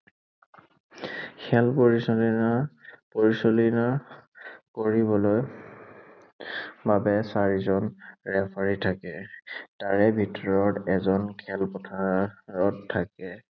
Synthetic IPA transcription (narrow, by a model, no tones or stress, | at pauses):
kʰɛlpoɹisɔlinapoɹisɔlina | koɹibɔloj | babɛsaɹizɔnɹɛpʰaɹitʰakɛtaɹɛbʱitɔɔɹɔtɛzɔnkʰɛlpɔtʰaɹɔtʰːakɛ